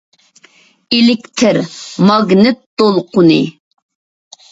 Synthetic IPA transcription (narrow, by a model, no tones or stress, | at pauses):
elɪkʲt̪ʰɪɾmɑɡnɨt̪̚d̪̥olˠqʰʊnɨ